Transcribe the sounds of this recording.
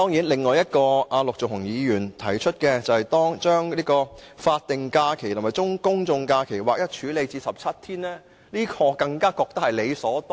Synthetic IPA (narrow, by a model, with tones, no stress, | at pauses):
t̪ɔː˥ŋjiː˨˥nlɪ˨ŋːɔː˨˧jɐ˥t̚kɔː˧ʔaː˨˧lʊ˨k̚t͡sʊ˨k̚hʊ˨˩ŋjiː˨˧jyː˨˩nt̪ʰɐ˨˩jt͡ʃʰɵ˥t̚kɛː˧t͡sɐ˨whɛ˨jt̪ɔː˥ŋt͡ʃœː˥ŋliː˥kɔː˧faː˧t̚t̪ːɪ˨ŋkaː˧kʰe˨˩jt̪ʰɐ˨˩mɐ˨jt͡sʊ˥ŋkʊ˥ŋt͡sʊ˧ŋkaː˧kʰe˨˩jwaː˨k̚jɐ˥t̚t͡ʃʰyː˨˥le˨˧jt͡siː˧sɐ˨p̚t͡sʰɐ˥t̚t̪ʰiː˥nlɛː˥ | liː˥kʰɔː˧kɐ˧ŋkaː˥kɔː˧k̚t̪ɐ˥k̚hɐ˨jle˨˧jsɔː˨˥t̪ː